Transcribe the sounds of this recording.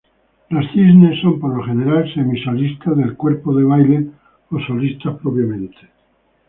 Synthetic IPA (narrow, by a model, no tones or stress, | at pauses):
lasθiznesːompoɾloχeneɾalsemisolist̪aðe̞lkweɾpoðeβ̞ajle | osolist̪aspɾopɾjamẽnt̪e̥